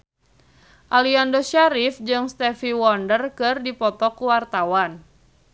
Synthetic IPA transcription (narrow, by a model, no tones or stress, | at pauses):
ʔaliandoʃaɾifd͡ʒɨŋst̪ɛfiwɔndərkɨrdipɔt̪ɔkuwart̪awan